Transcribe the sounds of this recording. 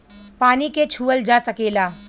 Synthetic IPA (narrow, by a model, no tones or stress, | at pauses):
paːniket͡ʃʰuːəld͡ʒasɐkeːlaː